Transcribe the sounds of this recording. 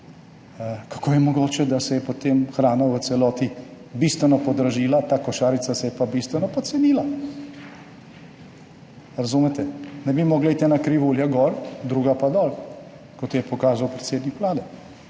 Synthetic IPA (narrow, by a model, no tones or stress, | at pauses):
kḁkʰoːjɛmɔɡoːt͡ʃɛd̪asɛjɛpot̪emxɾaːnaʋət̪sɛlɔːt̪i | bist̪ʋɛnɔpɔd̪ɾaʒiːlat̪aːkɔʃaːɾit̪asɛjɛpabist̪ʋɛnɔpɔsɛniːla | ɾazuːmɛt̪ɛnɛbimɔːɡlait̪ɛnakɾiʋuljaɡɔːɾd̪ɾuːɡapad̪ɔːl | kɔt̪jɛpɔkaːzawpɾet̪seːd̪nikʋlaːd̪ɛ